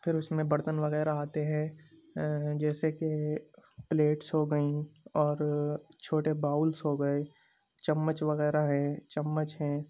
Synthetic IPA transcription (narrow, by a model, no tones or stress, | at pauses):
pʰɪɾʊsmẽbɐɾt̪ənʋɐɣɛːɾaaːt̪eɦɛ̃ː | d͡ʒɛːseke | pleːʈsɦoɡəĩɔːɾt͡ʃʰoːʈebaːʊlsɦoɡəeː | t͡ʃɐmːət͡ʃʋɐɣɛːɾaɦɛ̃t͡ʃɐmːət͡ʃɦɛ̃ː